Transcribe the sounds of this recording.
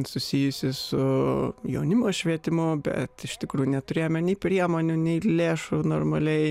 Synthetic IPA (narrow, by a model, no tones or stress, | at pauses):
sʊsʲijʊsʲɪsʊjɛʊnʲɪmoːʃʲʋʲiɛt̪ʲɪmʊbʲɛ̰t̪ɪʃt̪ʲɪkɾuːjunʲɛt̪ʊɾʲeːjomʲɛnʲɛɪpʲɾʲiɛmoːnʲʊnʲɛɪlʲeːʃʊnoːrmɐlʲɛɪ